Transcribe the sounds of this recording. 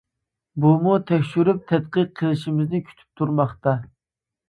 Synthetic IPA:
bumut̪ʰɛkʲʃyɾyp̚t̪ʰɛt̪qəq̚ʰːəlˠɪʃimɪznɪkʲʰy̥t̪ʰy̥p̚t̪ʰuɾmɑχt̪ɑ

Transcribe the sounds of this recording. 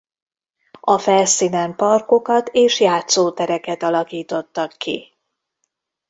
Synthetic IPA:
ɒfɛlsiːnɛmpɒrko̞kɒt̪eːʃjaːt̪soːt̪ɛɾɛkɛt̪ɒlɒkiːt̪o̞t̪ːɒkːḭ

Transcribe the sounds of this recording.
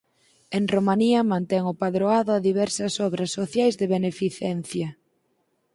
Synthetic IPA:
eŋromaniɐmãnt̪ɛŋʊpaðɾoaðʊaðiβɛɾsɐsɔβɾɐsːoθjajzðɪβenefiθɛnθjɐ

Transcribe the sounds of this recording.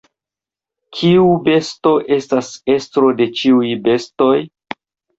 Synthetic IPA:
kʰiube̞sto̞ʔe̞stase̞stɾo̞de̞t͡ʃiujbe̞sto̞j

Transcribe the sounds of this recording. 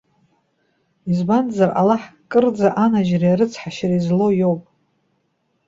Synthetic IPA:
izbanzarʔa̰laħkʼɨrd͡zaʔanaʒrijaɾɨt͡sʰħaʃarizlo̞jo̞wpʼ

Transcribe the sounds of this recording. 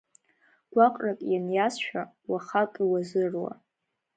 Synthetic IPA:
ɡ̥ʷaqʷʼrakʼjanjasʃᶣawaχakʼiwazɨrwa̰

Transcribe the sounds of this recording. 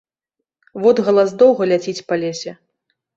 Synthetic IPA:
vɔd̪ɣɐlˠazd̪ɔwɣɐlʲat͡sʲit͡sʲpalʲesʲɛ

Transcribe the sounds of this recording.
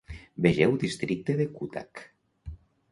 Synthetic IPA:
beʒewd̪ist̪ɾik̚t̪eðekut̪a̰k

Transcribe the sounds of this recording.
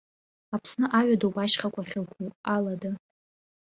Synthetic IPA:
apʰsnɨʔaɥadowbʼaʃχakʷʼaχʲɪlkʷʰualada

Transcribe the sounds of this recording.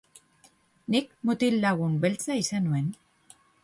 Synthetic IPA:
nikmut̪ilːaɣumbe̞lt͡saisanue̞n

